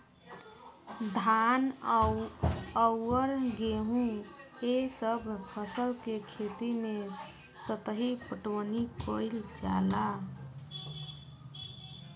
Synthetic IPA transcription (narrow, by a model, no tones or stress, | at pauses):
d̪ʱan | əwəɾɡeɦũesəbʱpʰəsəlkekʰet̪ime | sət̪əɦipəʈonikoɪld͡ʒa̰la